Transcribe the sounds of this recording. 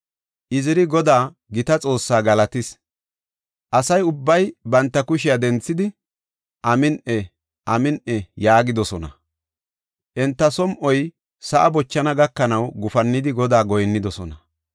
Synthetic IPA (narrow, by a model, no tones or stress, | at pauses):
ʔɪzɪɾɪɡɔd̪aː | ɡɪt̪ɐt͡sʼo̞ːsːaːɡɐlɐt̪ɪs | ʔɐsɐjʊbːɐjbɐnt̪ːɐkʊʃɪjad̪ɛnt͡sːɪd̪ɪ | ʔɐmɪnʔɛ | ʔɐmɪnʔɛjaːɡɪd̪ɔsɔnɐ̰ | ʔɛnt̪ːɐsɔmʔɔj | sɐʔɐbɔt͡ʃːɐnɐɡɐkːɐnɐwɡʊfɐnːɪd̪ɪɡɔd̪aːɡɔjnːɪd̪ɔsɔnɐ